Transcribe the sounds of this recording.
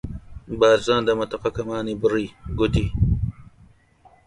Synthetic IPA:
baːɾzãːnd̪ɐmɐt̪ɐqakɐmaːnibɾiɡut̪i

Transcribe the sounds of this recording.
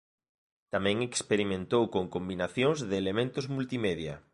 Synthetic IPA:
t̪amɛ̃ŋekspeɾimẽnt̪owkoŋkombinaθjõŋzðɪːlemẽnt̪ʊzmult̪imeðjɐ̰

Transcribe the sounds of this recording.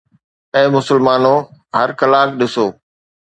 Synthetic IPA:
ɛ̃ːmʊsəlmaːnoɦɐɾkɐlaːkɗɪsoː

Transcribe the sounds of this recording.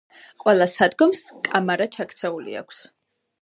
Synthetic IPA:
qʼwɛlˠasad̪ɡɔmskʼamaɾat͡ʃʰakʰt̪sʰɛulḭa̰kʷʰs

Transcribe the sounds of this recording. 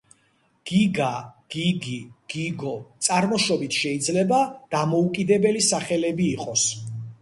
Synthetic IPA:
ɡ̥iɡaɡ̥iɡiɡ̥iɡɔt̪sʼaɾmɔʃɔbit̪ʰʃɛid̪zlɛbad̪̥amɔukʼid̪ɛbɛlisaχɛlɛbiːqʼɔs

